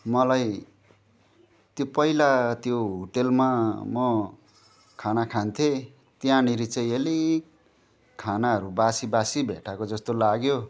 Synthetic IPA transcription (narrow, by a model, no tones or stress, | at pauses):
mʌlaj | t̪jopʌilat̪joɦuʈelmamʌ | kʰanakʰant̪ʰe | t̪jãniɾit͡sʌjeli | kʰanaɦʌɾubasibasibʱḛʈʰakod͡zʌst̪olaɡjo